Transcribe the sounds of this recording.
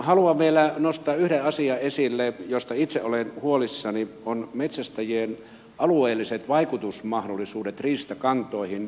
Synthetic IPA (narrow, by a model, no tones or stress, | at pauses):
hɑluɑmeilænost̪ɑːyhɾeɑsiɑesilːejost̪ɑit̪seʔolenhuolisːɑnionmet̪sæst̪æjien | ʔɑlueːlːiset̪ʋɑikut̪usmɑhdolːˑisuːdet̪riːst̪ækɑnt̪ˑoˑihin